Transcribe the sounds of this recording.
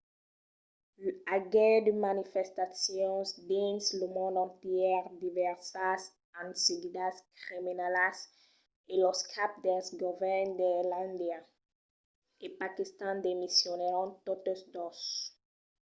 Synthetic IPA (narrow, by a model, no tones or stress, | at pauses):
laɡed̪əmanifɛst̪asjɔ̃sd̪ĩnsləmɔ̃nd̪ɑ̃nt̪jɛʁd̪ivɛʁsas | ãnsiɡid̪askʁiminalas | elɔskʰap̚d̪ɛsɡɔvɛʁnd̪elãnd̪ja | epakist̪ɑ̃nd̪emisjɔneʁɔ̃t̪ot̪əsd̪os